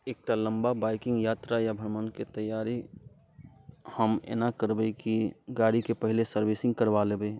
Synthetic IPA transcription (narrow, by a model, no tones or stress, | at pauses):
eːk̚ʈalə̃mbabaːɪkɪ̃ŋɡjaːt̪ɾajabʱəɾmənket̪əjaːɾi | həmḛnakəɾbeikiɡaːɽikepəɦɪlesəɾwɪsɪ̃ŋɡkəɾʋalebeː